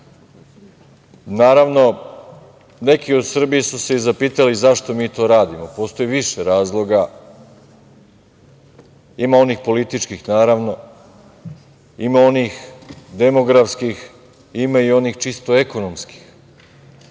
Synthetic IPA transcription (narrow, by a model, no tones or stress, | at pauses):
naːɾaʋno̞ | ne̞kio̞d̪sr̩bijesuse̞izapiːt̪alizaʃt̪o̞miːt̪o̞ːɾaːd̪imopo̞ːst̪o̞jiʋiʃeɾaːzlˠo̞ɡa | imao̞niːxpo̞lit̪it͡ʃkixnaːɾaʋno̞ | imaoniːxd̪e̞mo̞ɡɾafskix | imaio̞niːxt͡ʃist̪oeko̞nomski̥x